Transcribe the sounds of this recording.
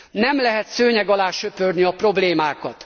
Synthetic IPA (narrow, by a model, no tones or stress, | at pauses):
nɛmlɛɦɛt̪søːɲɛɡɒlaːʃøpørniɒpro̞bleːmaːkɒt̪